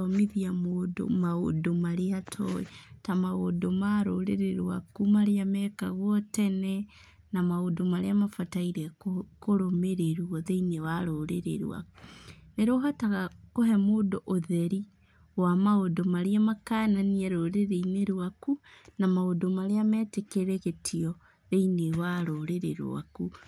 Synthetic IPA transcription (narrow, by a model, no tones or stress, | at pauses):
omeðiamoːdo̰mao̰domaɾeatʰɔ̰itamaodomaɾo̰ɾḛɾeɾwakumaɾeamɛkaɣɔtɛnɛ | namaodomaɾeamafataiɾɛkoɾomeɾeɾuɔðeinewaɾoːɾḛɾḛɾw̰a̰kuneɾoɦataɣakoɦɛmoːdoʔoðɛɾi | wamaodomaɾeamakaːnaniɛɾoɾeɾeineɾwakunamaodomaɾeamɛːtekeɾeɣetʰiɔ | ðeinewaɾoːɾeɾeɾw̰a̰ku